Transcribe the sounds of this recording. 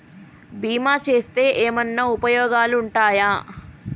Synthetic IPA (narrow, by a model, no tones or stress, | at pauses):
biːmaːt͡ʃe̞ːst̪e̞ːʔeːmɐnːɐupɐjɔːɡaːluːɳʈaːjaː